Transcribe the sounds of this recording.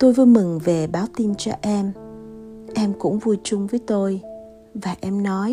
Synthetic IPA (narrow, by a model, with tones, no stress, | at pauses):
t̪o˧jvu˧˦jmɨ˨˩ŋve˨˩ɓaː˨˦wt̪i˧nt͡ɕɔ̰˧ʔɛ˧m | ʔɛ˧mkʊ̰˧˥ŋ͡mvu˧jt͡ɕʊ˧ŋ͡mvəː˨˦jt̪o˧j | vaː˨˩ʔɛ˧mnɔ˨˦j